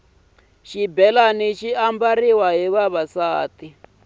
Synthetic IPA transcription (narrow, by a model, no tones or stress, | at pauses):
ʃibɛlaniʃiambariwaɦiβaβasaːti